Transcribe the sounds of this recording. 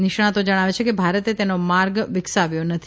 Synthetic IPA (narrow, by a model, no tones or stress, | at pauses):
nɪʃɽ̃ãt̪od͡ʒəɽ̃aʋet͡ʃʰekebʱaɾət̪et̪enomaɾɡʋɪksaʋjonət̪ʰi